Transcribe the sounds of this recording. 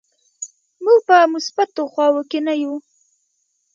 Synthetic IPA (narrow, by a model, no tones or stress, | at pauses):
muɡ̚pəmʊsbat̪oxwɑwokenaju